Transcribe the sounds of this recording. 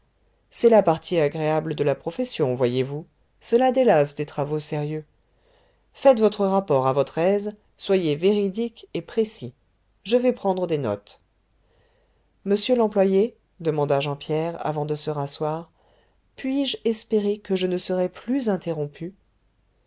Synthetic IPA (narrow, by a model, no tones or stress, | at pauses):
sɛlapaʁt̪ʰiaɡʁeabləd̪əlapχɔfɛsjɔ̃vwajevu | səlad̪elasd̪et̪χavoseʁjø | fɛt̪vɔt̪χəʁapɔʁavɔt̪χɛz | swajeveʁid̪ikepχesi | ʒəvɛpχɑ̃d̪ʁəd̪enɔ̰t̪ | məsjølɑ̃plwaje | d̪əmɑ̃d̪aʒɑ̃pjɛʁa̰vɑ̃d̪əsəʁaswaːʁ | pɥiʒɛspeʁekəʒənəsəʁɛplyzɛ̃t̪eʁɔ̃py